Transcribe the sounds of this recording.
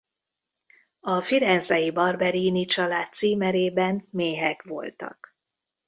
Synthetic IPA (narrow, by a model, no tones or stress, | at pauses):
ɒfiɾɛnzɛjibɒrbɛɾiːnit͡ʃɒlaːt̪ːsiːmɛɾeːbɛnmeːɦɛkʋo̞̰lt̪ɒ̰k